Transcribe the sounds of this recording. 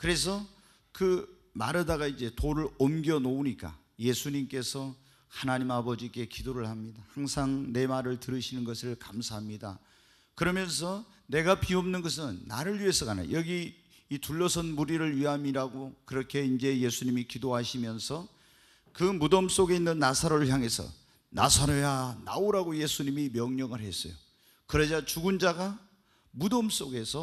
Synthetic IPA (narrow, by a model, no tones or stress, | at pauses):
kɯɾe̞s̬ʰʌ | kɯ | ma̰ɾedaɣaid͡ʑe̞toɾɯɭomɡjʌnouɲik͈a̰ | je̞sʰuɲimk͈e̞sʰʌ | hanaɲimabʌd͡ʑik͈e̞kidoɾɯɭhamɲidahaŋsʰaŋne̞maɾɯɭtɯɾɯɕʰinɯnɡʌsʰɯɭkamsʰaɦamɲida̰ | kɯɾʌmjʌns̬ʰʌ | ne̞ɡapiomnɯnɡʌs̬ʰɯnːa̰ɾɯɭɥie̞sʰʌɡana̰jʌɡiː | tuɭːʌsʰʌnmuɾiɾɯɭɥiɦamiɾaɡokɯɾʌkʰe̞ind͡ʑe̞je̞sʰuɲimikidoɦaɕʰimjʌnsʰʌ | kɯmudoms͈oɡe̞inːɯnːasʰaɾoɭçjaŋe̞sʰʌ̰ | na̰sʰaɾʌjana̰oɾaɡoje̞sʰuɲimimjʌŋɲʌŋɯɭɦe̞s͈ʌ̰jo̰ | kɯɾʌd͡ʑat͡ɕuɡund͡ʑaɡa | mudoms͈oɡe̞sʰʌ